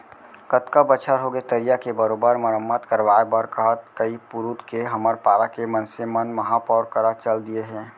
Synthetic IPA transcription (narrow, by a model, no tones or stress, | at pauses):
kət̪kabət͡ʃʰəɾɦoɡet̪əɾijakebəɾoːbəɾməɾəmːət̪kəɾʋaːebəɾkəɦət̪kəipʊɾut̪keɦɐməɾpaːɾakemənsemənmɐɦapɔːɾkəɾat͡ʃəld̪ieɦɛ̃ː